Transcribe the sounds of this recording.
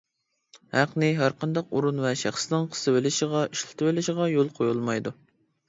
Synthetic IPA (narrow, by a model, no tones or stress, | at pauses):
hæqnɪɦæɾqʰɑnd̪ɑquɾunvɛʃæχsnɪŋqʰə̥sɨwɪlɪʃəʁɑiʃlˠɨ̥t̪ʰɨwɪlɪʃɪʁɑjolˠqʰojulˠmɑjd̪u